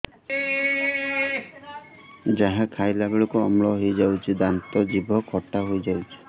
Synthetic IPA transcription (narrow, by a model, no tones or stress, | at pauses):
d͡ʒaɦãkʰajlabeɭɔkuɔmɭɔɦejd͡ʒawt͡ʃʰid̪ant̪ɔd͡ʒibʱɔkʰɔʈaɦojd͡ʒawt͡ʃʰi̥